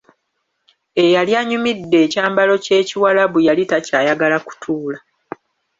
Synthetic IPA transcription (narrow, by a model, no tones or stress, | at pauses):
e̞jaljaɲumidːe̞ːcaːmbalo̞ce̞ːciwalaβujalitacaːjaɡalaku̥tʰuːla